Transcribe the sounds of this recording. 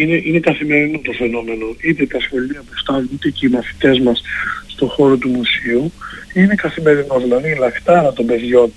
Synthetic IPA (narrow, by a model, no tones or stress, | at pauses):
ine̞ʔine̞kɐθime̞ɾinot̪o̞fe̞no̞me̞no̞it̪e̞t̪ɐsxo̞liɐpust̪ɐnunit̪eceimɐθi̥t̪e̞zmɐsːt̪o̞xo̞ɾo̞t̪umusiuine̞kɐθime̞ɾinozðinɐðilɐkt̪ɐlɐt̪o̞be̞ðʝo̞n